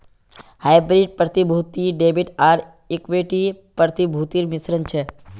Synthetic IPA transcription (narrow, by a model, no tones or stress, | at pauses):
hajbɾiɖ̚pɾət̪ibʱut̪iɖebiʈaɾ | ikʋiʈipəɾt̪ibʱut̪iɾmɪsɾənt͡ʃʰe